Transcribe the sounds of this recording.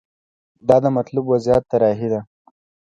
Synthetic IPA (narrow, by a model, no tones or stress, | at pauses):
d̪ɑd̪əmat̪lubwazjɑt̪ːaɾɑɦid̪a